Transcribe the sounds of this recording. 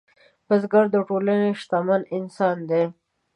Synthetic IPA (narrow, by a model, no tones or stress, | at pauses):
pəzɡaɾd̪əʈolaneʃt̪amanɪnsɑnd̪e